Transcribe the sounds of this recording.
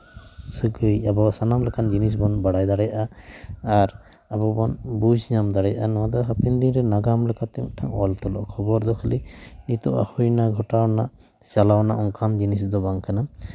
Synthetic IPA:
suɡɯjabɔsanamlɛkʰand͡ʒinis̬bɔnbaɽajd̪aɽɛjaʔaaɾabɔbɔnbud͡ʒɲamd̪aɽɛjaʔanɔwad̪ɔɦapind̪iŋɾɛnaɡamlɛkʰat̪ɛmṵk̚ʈʰaŋɔlt̪ɔlɔʔɔkʰɔbɔɾd̪ɔkʰalinit̪ɔʔa̰hujnaɡʱɔʈawna | salawnaʔɔŋkʰand͡ʒinisd̪ɔbaŋkʰana

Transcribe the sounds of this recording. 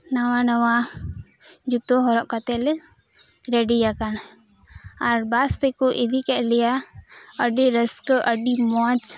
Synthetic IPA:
nawanawa | d͡ʒut̪ɔɦɔɾɔʔkat̪ɛlɛ | ɾɛɖijakan | aɾbast̪ɛkɔʔid̪ikɛʔlɛjaəɖiɾəskʔəɖimɔt͡ʃ

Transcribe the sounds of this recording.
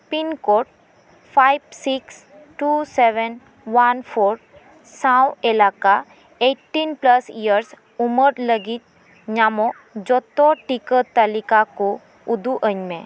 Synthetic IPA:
pinkoʈ̚ | fʰajbsiks | ʈuseʋən | ʋanfʰoɾ | sãwelaka | eʈːinpləsijəɾs | uməɾləɡit̪̚ | ɲamo | d͡ʒɔt̪oʈikət̪əlikako | ud̪uʔəɲmẽ

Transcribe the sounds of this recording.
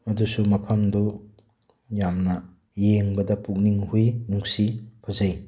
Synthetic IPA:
ɐdusumɐpʰɐmdu | jamnɐ | jeŋbɐdɐpuk̚niŋhujnuŋsipʰɐzɐj

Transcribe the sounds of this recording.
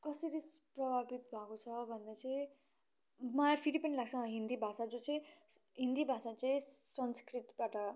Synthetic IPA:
kʌsʌɾiprʌbʱabit̪bʱakot͡sʰʌbʱʌnd̪at͡sʌ̃ĩ | mʌpʰiɾipʌnilaɡ̚t͡sʰʌɦind̪ibʱasad͡zot͡sʌĩɦind̪ibʱasat͡sʌĩsʌnskrit̪baʈʌ

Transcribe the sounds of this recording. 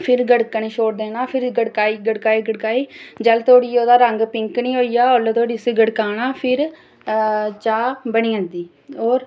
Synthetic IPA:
pʰɪɾɡəɽkəɳeːʃoːɽd̪eːnãːpʰɪɾɡəɽkaːiːɡəɽkaːiːɡəɽkaːiːd͡ʒəlt̪ʰoːɽiːoːd̪aːɾəŋɡpɪŋknĩːɦoːijaːolet̪ʰoːɽiːseːɡəɽkaːnaːpʰɪɾ | t͡ʃaːbəɳĩːə̃nd̪iː | oːɾ

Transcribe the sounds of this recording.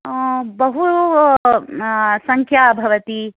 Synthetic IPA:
bɐɦu | sɐŋkʰjaːbʱɐʋɐt̪i

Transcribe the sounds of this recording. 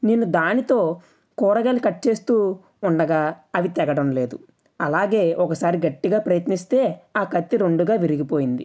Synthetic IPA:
neːnːud̪aːnit̪o̞ː | kuːɾɐɡɐlikɐʈːt͡ʃe̞ːst̪uː | uɳɖɐɡaːɐʋit̪ɛɡɐɽɐmle̞ːd̪u | ɐlaːɡe̞ːʔɔkɐsaːɾiɡɐʈːiɡaːpɾɐjɐt̪nist̪e̞ːaːkɐt̪ːiɾoɳɖuɡaːʋiɾiɡipo̞ːjind̪i

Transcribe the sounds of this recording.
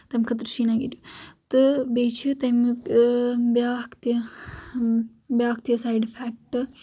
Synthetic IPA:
t̪ɐmkʰɐt̪ɾɨʃiːnaɡiɾʲut̪ɨbeːt͡ʃʰɨt̪ɐm | bjaːkt̪jɐ | bjaːkt̪jɐsajɖfʰaːk̚ʈɨ

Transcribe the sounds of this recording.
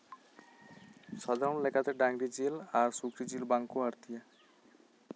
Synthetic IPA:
ʃad̪ʱaɾonlekʰat̪eɖaŋɾid͡ʑilaɾsukɾid͡ʑilbaŋkoaɾt̪ija

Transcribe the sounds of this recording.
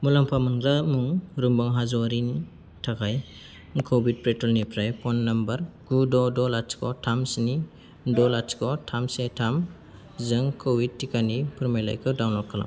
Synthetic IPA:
mulampʰamunɡlamuŋɾumbaŋɦazɔɾini | tʰakaj | ŋkʰobit̚pɾetɔlnipʰɾajpʰɔnːambɐɾɡ̥udɔdɔlat͡ʃkʰɔtʰamsni | dɔlat͡ʃkɔtʰamsetʰam | zɯŋkʰowit̚ːikanipʰɯɾmajla̰jkʰɯdawnlɔkʰːala̰m

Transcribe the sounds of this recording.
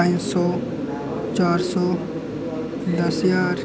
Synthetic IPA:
nsɔː | t͡ʃaːɾsɔː | d̪ɐsjaːɾ

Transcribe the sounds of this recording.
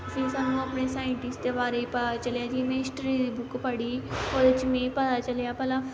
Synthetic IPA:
əsĩːsaːnũːəpnesaːɪɳʈɪsʈt̪ebaːɾeipət͡ʃəljaːd͡ʒiːmẽɪsʈɾiːd̪iːbʊkpəɽiːoːd̪ɪt͡ʃmẽːpət̪aːt͡ʃəljaːpəla

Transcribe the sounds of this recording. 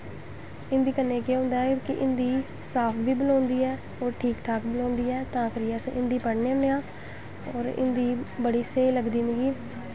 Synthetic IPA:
ɪ̃nd̪iːkənːeːkeɦõːnd̪aːɦɛkɪʔɪnd̪iː | st̪aːpʰʋiːbəlɔ̃ːnd̪iːɛː | oːɾʈʰiːkʈʰaːkbəlɔ̃ːnd̪iːɛːt̪ãːkəɾiɛːsʔɪ̃nd̪iːpəɽneːəmeãː | ɔːɾɪ̰nd̪iːbəɽiːseːləɡd̪iːmẽːɡiː

